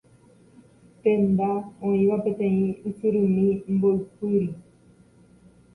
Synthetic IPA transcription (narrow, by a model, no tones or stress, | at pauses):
t̪end̪aõĩwapet̪ẽĩisɨɾumĩmboipɨɾi